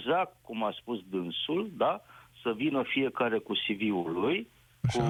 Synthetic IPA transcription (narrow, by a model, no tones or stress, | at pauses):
zak̚t̪̚kumaspusd̪ɨnsuld̪asəvinəfije̞kaɾe̞kusiviuluj | ku